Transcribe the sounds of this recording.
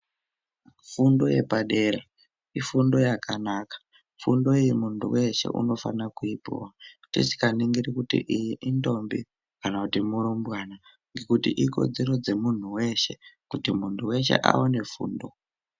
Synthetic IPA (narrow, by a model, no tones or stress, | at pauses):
fundo̞je̞̰paɗe̞ɾa | ifundo̞jakʰanaːkḁ | fundo̞ijimuntʰṵwe̞ʃe̞̰ʔṵno̞fa̰nakuipṵwatit͡ʃi̥kaniŋɡiɾikutḭʔijiʔindo̞mbi | kanakutimuɾombwaːna | ŋɡe̞kutḭʔiko̞̰d͡zeɾo̞d͡ze̞mun̤uwe̞ʃe̞kutimuntʰuwe̞ʃe̞̰ʔa̰wone̞fṵːndo̞